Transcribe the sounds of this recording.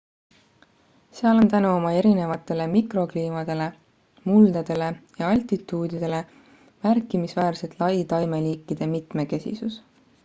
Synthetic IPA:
seɑlo̞nt̪ænuo̞mɑe̞ɾine̞vɑt̪ːˑe̞le̞mikro̞kliːmɑd̪̥e̞le̞ | muld̪̥ɑd̪̥e̞le̞jɑɑlʲt̪it̪ːˑuːd̪̥id̪̥e̞le̞ | mærkːˑimisvæːɾse̞t̪ˑlɑjt̪ɑjme̞liːkːˑid̪̥e̞mit̪me̞ke̞sḭsus

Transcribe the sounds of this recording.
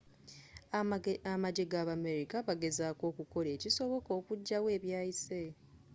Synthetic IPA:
amaɟeɡaːβame̞ɾikaβaɡe̞zaːko̞ːkuko̞le̞ːciso̞βo̞ko̞ːkuɟːawe̞ːβjaːise̞

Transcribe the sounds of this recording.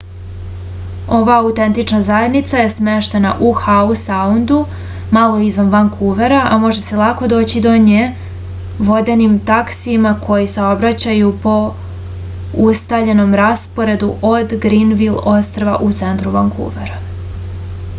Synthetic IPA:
o̞ʋaːut̪e̞nt̪it͡ʃnazaje̞d̪nit̪saje̞sme̞ʃt̪e̞na̰ʔuxausaund̪u | malˠo̞izʋanʋaŋkʰuʋeɾaʔamo̞ʒese̞lˠako̞d̪o̞ːt͡ɕid̪o̞ɲe | ʋo̞d̪e̞nimt̪aksimakʰo̞jisao̞bɾat͡ɕajupo̞ | ust̪avʎe̞no̞mɾaspo̞ɾe̞d̪uʔo̞d̪ɡɾinʋilo̞st̪ɾoʋa̰ʔut̪se̞nt̪ɾuʋaŋkʰṵːʋeɾa

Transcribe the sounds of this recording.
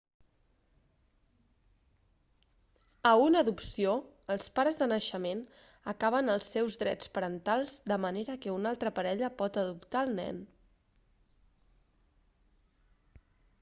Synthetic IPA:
əunəðupsio | əlˠspaɾəzðənəʃəmen | əkaβ̞ənəlˠsːɛwzðɾɛ̰t͡spəɾənt̪alˠzd̪əməneɾəkəunalˠt̪ɾəpəɾɛʎəpɔt̪əðupt̪aəlˠnɛ̰n

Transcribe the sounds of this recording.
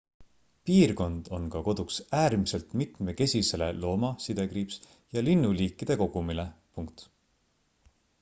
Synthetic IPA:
piːrko̞nd̪̥o̞nkɑko̞d̪̥uksæːrmise̞lt̪mit̪ˑme̞ke̞sʲise̞le̞̰lo̞ːmɑsid̪̥e̞krips | jɑlinːuliːkːˑid̪̥e̞ko̞ɡ̥umile̞puŋk̚t̪

